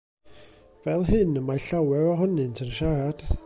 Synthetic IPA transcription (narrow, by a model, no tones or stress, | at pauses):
vɛlˠɦɨnəmajɬawɛɾɔɦɔnɨntʰənʃaɾad̥